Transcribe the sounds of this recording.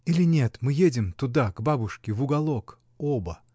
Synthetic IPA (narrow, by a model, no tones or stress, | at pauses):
ilʲɪnʲe̞t̪mɨjedʲɪmt̪ʊd̪aɡbabʊʂkʲɪvʊɡɐlˠok | obə